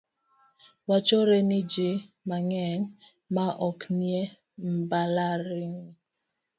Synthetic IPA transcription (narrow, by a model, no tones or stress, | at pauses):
wat͡ʃɔɾenid͡ʒi | maŋɛŋ | maʔɔknje | m̩balaɾiŋ